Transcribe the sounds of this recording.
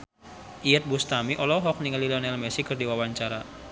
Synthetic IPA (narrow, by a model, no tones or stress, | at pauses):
ʔijət̪̚bust̪amiʔɔlɔɦɔk̚niŋalilɔnɛlmɛsikɨrdiwawaɲt͡ʃaɾa